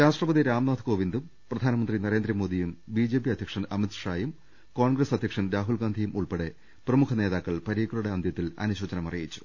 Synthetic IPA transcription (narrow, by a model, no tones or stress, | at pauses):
ɾaːʂʈrɐpɐd̪iɾaːmnaːd̪ʰko̞ːʋind̪um | prɐd̪ʱaːnɐmɐnd̪rinɐɾe̞ːnd̪rɐmoːd̪ijumbid͡ʑe̞ːpiɐd̪ʱjɐkʂɐnɐmit̪ʂaːjum | koːɳɡresɐd̪ʱjɐkʂɐnɾaːɦulɡaːnd̪ʱijumʔuɭpe̞ɽe | prɐmukʰɐne̞ːðaːkːɐɭpɐɾiːkːuɭuɽeɐnd̪ʱjɐt̪ːilɐ̰nuɕoːt͡ɕɐnɐmɐrijit͡ɕːu̥